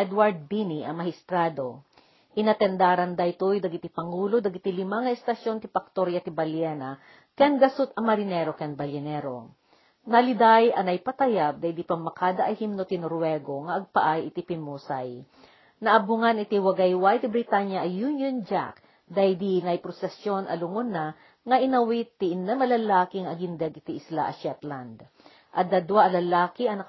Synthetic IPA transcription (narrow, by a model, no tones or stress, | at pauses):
ɛd̪waɹd̪̚biniʔɐmɐhɪst̪ɾad̪o̞ | ʔɪnɐt̪ɛnd̪aɾɐnd̪ajt̪ujd̪ɐɡɪt̪ipɐŋuːlod̪ɐɡɪt̪ilɪmaŋɐɛst̪ɐʃjo̞nt̪ɪpɐk̚t̪oɾjat̪ɪbɐljɛnɐ | kɐnɡɐsut̪ɐmɐɾɪnɛɾokɐnbɐljɐnɛɾo̰ | nɐlɪd̪ajʔɐnɐjpɐt̪ɐjab̚d̪ajd̪ipɐmmːɐkaːd̪ɐʔɐjhimnot̪ɪnoɾwɛɡo̞ŋɐʔɐɡ̚pɐʔajɪt̪ipɪmuːsaj | nɐʔɐbʊŋanɪt̪iwɐɡɐjwajt̪ɪbɾɪt̪aɲjɐʔɐːunjond͡ʒa̰k | d̪ajd̪inɐjpɾosɛsjo̞nʔɐ̰lʊŋonːa | ŋɐʔɪnɐwit̪ːiʔnːamɐlɐlaːkɪŋɐɡɪnd̪ɛɡɪt̪iɪslaʔɐ̰ʃɛt̪land̪ | ʔɐt̪̚d̪ɐd̪waʔɐlɐlaːkiɐnɐ